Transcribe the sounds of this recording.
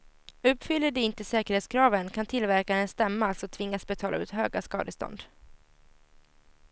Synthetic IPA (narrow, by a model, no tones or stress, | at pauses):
ɵpːfʏlːəɖ̪ɛɪnt̪əsɛːkəɾheːt̪skʰɾɑːvənkʰant̪ʰɪlvæɾkanənst̪ɛmːaalsɔt̪ʰvɪŋːasbɛt̪ʰɑːla̰ʉ̟ːt̪ɦøːɡaskɑ̰ːd̪əst̪ɔ̰nd̪